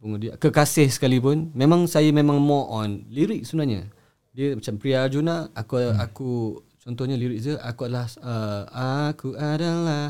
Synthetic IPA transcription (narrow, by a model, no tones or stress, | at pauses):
pəŋudia̰kəkasɪhsə̥kalipʊnmemãŋsajamemãŋmɔ̃ʔɔnliɾɪk̚səbənaɲa̰ | diəmat͡ʃampɾiad͡ʒunaakuaku | t͡ʃɔnt̪ɔhɲaliɾɪk̚əʔakuadlahəakuʔadala